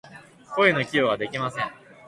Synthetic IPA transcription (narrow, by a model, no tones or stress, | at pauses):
ko̞eno̞kʲioβ̞ad̪e̞kʲimasẽ̞ŋ